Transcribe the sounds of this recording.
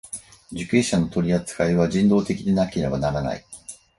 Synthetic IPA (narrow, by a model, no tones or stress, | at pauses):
d͡ʑɨkɯɕano̞t̪o̞ɾʲiat͡sɨ̥kaiβ̞aʑĩnd̪o̞ːt̪e̞kʲid̪e̞nakʲe̞ɾe̞banaɾana̰ḭ